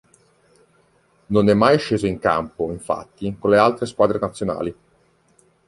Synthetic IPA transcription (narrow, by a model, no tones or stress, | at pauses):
nonɛmːajʃeːzoiŋka̰mpoiɱfa̰t̪ːikolːealt̪ɾeskwaːd̪ɾenat̪sjona̰ːli